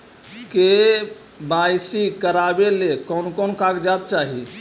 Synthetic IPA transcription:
ke | bajsikəɾabelekɔnkɔnkãkd͡ʒab̚t͡ʃaɦi

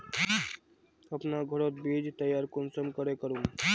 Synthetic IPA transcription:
əpnaɡʱəɾot̪bed͡ʒt̪əjaːɾkonsəmkəɾekəɾum

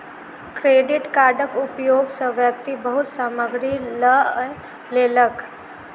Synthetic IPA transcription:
kɾeːɖɪʈkaːɾɖəkʊpjoːɡsəʋjək̚t̪ibəɦʊt̪saːməɡɾilə | leːlək

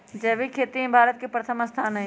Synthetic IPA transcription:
d͡ʒɛːʋikʰeːt̪iɦẽbʱaːɾət̪̚kepɾət̪ʰəməst̪ʰaːnɐɦĩ

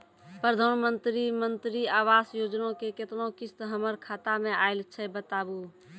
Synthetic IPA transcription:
pɾəd̪ʱanmənt̪ɾimənt̪ɾiaʋasjod͡ʒnõkeket̪nõkist̪ɦəməɾkʰat̪amẽaɪlt͡ʃʰɛbət̪abu

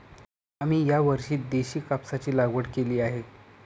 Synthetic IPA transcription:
am̤iːjaʋəɾɕiːt̪̚d̪eɕiːkapsat͡ɕiːlaɡʋəʈkeliːaɦe

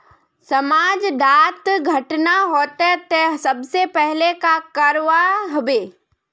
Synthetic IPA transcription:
sɐmaːd͡ʒɖaːt̪ɡʱɐʈnaɦoːt̪ɛt̪esɐbsepɛɦlekakɐɾʋaɦʊbeː

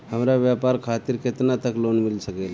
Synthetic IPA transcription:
həmɾaʋjapaɾkʰat̪iːɾket̪nat̪əklonmilsəkəjl

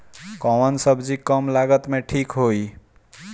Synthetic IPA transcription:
kɔ̃wənsʌbd͡zikʌmlaɡət̪meʈʰikɦoj

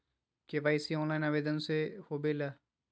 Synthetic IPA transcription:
keʋaːisiɔ̃ːnlaːinaːʋeːd̪ənsehobela

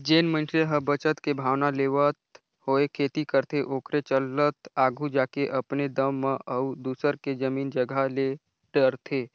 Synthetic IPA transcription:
d͡ʒeːnmə̃nʈɾeɦəbət͡ʃət̪kebʱaːʋnaleːʋət̪ | hoːekʰeːt̪ikəɾt̪ʰeʔoːkɾet͡ʃələt̪aːɡʱũd͡ʒaːkeʔɐpned̪əmːẽʔəud̪uːsəɾked͡ʒəmiːnd͡ʒəɡʱale | ɖəɾt̪ʰeː

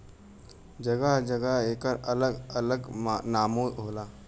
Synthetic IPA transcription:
d͡ʒəɡaɦd͡ʒəɡaɦeːkəɾələɡələɡnaːmoːɦoːlaː

